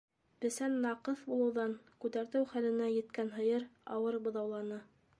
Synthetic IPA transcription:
bɘ̆sænːɑqɤθbulˠɤ̆wðɑŋkʉt̪æɾt̪ɘwχælɘ̆næjɘ̆t̪kænɦɤ̆jɤɾɑ̰wɤɾbɤ̆ðɑwlˠɑnɤ

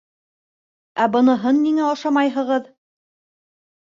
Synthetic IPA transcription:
æbɤ̆nɤ̆ɦɤnːiŋæɑʃɑmɑjɦɤ̆ʁɤð

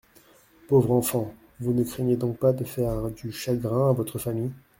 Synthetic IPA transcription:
povʁɑ̃fɑ̃ | vunəkχɛɲed̪ɔ̃k̚pad̪əfɛʁd̪yʃaɡʁɛ̃avɔt̪χəfamij

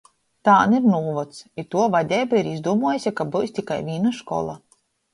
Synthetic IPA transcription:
t̪aːniɾnuːvɔt̪sit̪ːuɔvad̪ʲɛːbaiɾizd̪uɔmuɔjasʲakabuːjst̪ʲikajvʲiːnaʃkɔ̰lˠa

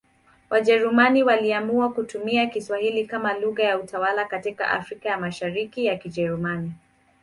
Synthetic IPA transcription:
wʔaʄɛɾumaniwaliamuakutumiakiswahilikamaluɣajautʰawalakatika̰ʔa̰fɾikajamaʃaɾikijakiʄɛɾumani

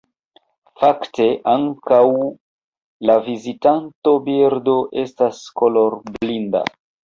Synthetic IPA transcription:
fakte̞ʔaŋkaw | lavizitanto̞biɾdo̞ʔe̞stasko̞lo̞ɾblinda̰

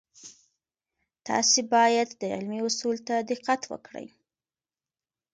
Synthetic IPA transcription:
t̪ɑ̰sebɑjad̪ːəɪ̰lmiʊsult̪ad̪ɪqat̪wə̰kɽə̰j

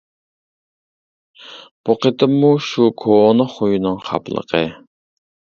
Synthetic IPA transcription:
b̥uqət̪ʰɨmːuʃukʰonəχojunɨŋχɑ̰pʰlˠə̰qʰə

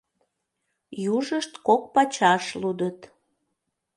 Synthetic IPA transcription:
juʒəʃt̪kok̚pɑt͡ɕɑʃlud̪ət̪

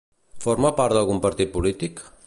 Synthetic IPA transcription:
foɾmapaɾt̪d̪alˠɣumpəɾt̪it̪̚pulit̪ik

